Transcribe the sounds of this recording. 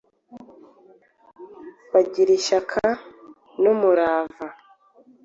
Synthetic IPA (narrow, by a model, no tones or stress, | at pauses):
βaɟiɾiʃakʰa | nomuɾaːva